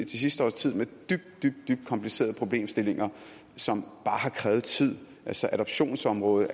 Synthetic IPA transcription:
t͡sʰesisd̥əɒ̰ːst͡sʰið̞̰ˠmed̥yb̥̚d̥̚d̥yb̥̚d̥̚yb̥̚d̥̚kʰɒ̽mpʰlise̝̰ːɐð̞̩ˠpʰʁo̝b̥le̝̰ːmsd̥e̝le̝ŋɐ | sɒ̽mb̥ɑ̈ːhɑ̈kʰʁɛːʊð̞̩ˠt͡sʰið̞̰ˠ | ʔælsɒʔæɾ̥ɒ̽b̥ɕo̝̰ːnsɒ̽mʁɔ̽ːð̞ˠ

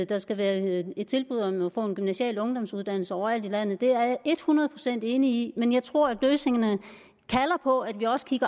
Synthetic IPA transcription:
d̥ɑ̈sɡ̥æʋæːɐe̝d̥̚t͡sʰe̝lb̥uð̞̰ˠɒ̽mɒfɔ̰̽ːe̝nɡ̥ymnæɕiɛ̰ːlɔ̽ŋd̥ɒ̽msuð̞ˠd̥æn̰l̩səɒʊɐæl̰d̥ilæn̰ð̩ˠd̥e̝æɐe̝d̥hunɐð̞̩ˠpʰʁo̝sen̰d̥e̝ːniimenjɑ̈ɪt͡sʰʁo̝ɐ̰æ̥løːse̝ŋɐnə | kʰælɐpʰɒ̽æd̥ʋiɒ̽sə̥kʰiɡ̥ɐ

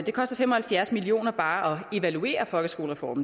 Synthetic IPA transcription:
d̥e̝kʰɒ̽sd̥ɐfem̰ɒ̽hælfjæɐsmilio̝̰ːnɐb̥ɑ̈ːʔɒ̽e̝ʋælue̝̰ːɐfɒ̽lɡ̥əsɡ̥o̝̰ːləʁɛfɒ̰ːmn̩

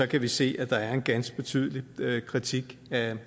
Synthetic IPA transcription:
ɒ̽kʰæʋise̝̰ːʔæd̥ɑ̈æɐe̝nɡ̥ænsɡ̥əb̥e̝t͡sʰy̰ð̞ˠliøkʰʁit͡sʰiɡ̥æ

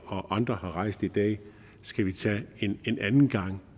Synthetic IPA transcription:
ɒ̽ʔɑ̈nd̥ʁɐhɑ̈ʁɑ̈ɪ̰sd̥id̥ɛ̰ː | sɡ̥æʋit͡sʰɛ̰e̝nenʔænn̩ɡ̥ɑ̈ŋ̰

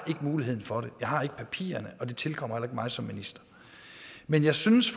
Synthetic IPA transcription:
ʔe̝ɡ̥əmuːliɦeð̰ˠn̩fɒ̽ɾe̝jɑ̈ɪɦɑ̈e̝ɡ̥ə̥pʰæpʰḭːɐnəʔɒ̽d̥et͡sʰe̝lkʰɒ̽m̰ɐhelɐe̝ɡ̥mɑ̈ɪsɒ̽mːinisd̥ɐ̥ | menjɑ̈ɪsynəsf

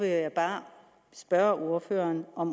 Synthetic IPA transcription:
ʋejab̥ɑ̈ː | sb̥ɶɐʔo̝ɐfø̰ːɐnɒ̽m

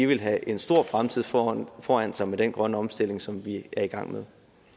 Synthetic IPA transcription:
iʋe̝lɦæʔe̝nsd̥o̝ɐ̰fʁamt͡sʰið̰ˠfɒːæn̰̥sɑ̈ɪmed̥enɡ̥ʁɶnəɒ̽msd̥e̝l̰e̝ŋsɒ̽mʋiæɐiɡ̥ɑ̈ŋ̰með̞ˠ

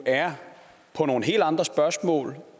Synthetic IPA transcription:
æɐ | pʰɒ̽no̝ːn̩ɦe̝̰ːld̥ɑ̈nd̥ʁɐsb̥ɶɐsmɔ̰̽ːl

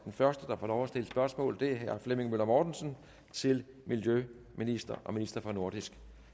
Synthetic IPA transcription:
d̥enfɶɐsd̥əd̥ɑ̈fɒːlɒʊæsd̥e̝ləsb̥ɶɐsmɔ̰̽ːl̩ˠd̥e̝ɦæɐfleme̝ŋmølɐmɒːd̥n̩sən | t͡sʰe̝l | miljø | minisd̥ɐʔɒ̽minisd̥ɐfɒ̽no̝ɐ̰d̥isɡ̥

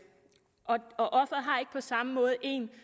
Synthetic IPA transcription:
ɒɒ̽ʔɒ̽fʁɐɦɑ̈e̝ɡ̥ə̥pʰɒ̽sɑ̈məmɔ̽ːð̞̩ˠe̝ːn

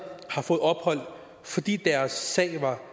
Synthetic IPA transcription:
hɑ̈fɔ̽ːð̞̩ˠɒ̽b̥hɒ̽l̰ | fɒ̽d̥ḭːd̥æɐsːɛ̰ɪʋɑ̈

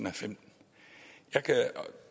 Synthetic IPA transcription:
n̩æfem̰ | jɑ̈ɪkʰæ

